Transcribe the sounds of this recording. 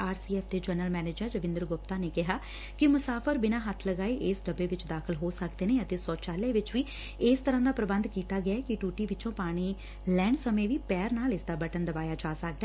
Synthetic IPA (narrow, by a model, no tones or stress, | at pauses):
aːɾsiːɛːpʰd̪eːd͡ʒənəlmɛːneːd͡ʒəɾːəʋɪ̃nd̪əɾɡʊp̚t̪aːneːkɪɦaː | kɪmʊsaːfʰəɾbɪnaːɦət̪ʰləɡaːiːʔɪsɖəbeːʋɪt͡ʃd̪aːkʰəlɦoːsəkd̪eːneːət̪eːsɔːt͡ʃaːleːʋɪt͡ʃʋiː | ɪːst̪əɾãːd̪aːpɾəbənd̪kiːt̪aːɡɪakɪʈuːʈiːʋɪt͡ʃõːpaːɽ̃iː | lɛːɳɖsəmẽːʋiːpɛːɾnaːlɪsd̪aːbəʈənd̪əbaːjaːd͡ʒaːsək̚d̪ɛː